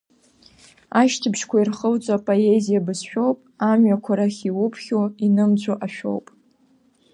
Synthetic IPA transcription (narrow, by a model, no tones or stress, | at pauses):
aʃtʰɨbʃkʷʰairχəlt͡sʼapʼoe̞zijabɨsʃᶣo̞wpʼamɥakʷʰaɾaχʲiwʊpʰχʲoinɨmd͡zʷʼoʔaʃᶣo̰wpʼ